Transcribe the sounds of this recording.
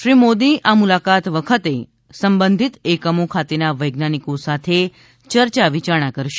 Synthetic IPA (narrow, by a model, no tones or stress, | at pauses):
ʃɾimod̪iʔamulakat̪ʋəkʰət̪e | səmbənd̪ʱit̪ekəmokʰat̪enaʋəjɡnanikosat̪ʰe | t͡ʃəɾt͡ʃaʋit͡ʃaɽ̃akəɾʃe̥